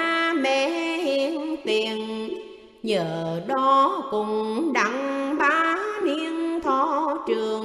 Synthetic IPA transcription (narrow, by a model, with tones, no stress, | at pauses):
mɛ˧˩ʔi˧˦ənt̪i˨˩ən | ɲəː˧˨˩ɗɔ˨˦kʊ˧˩ŋ͡mɗa˨˧˩ŋɓaː˨˧˦ni˧ənt̪ʰɔ˨˧˦t͡ɕɨ˨˩əŋ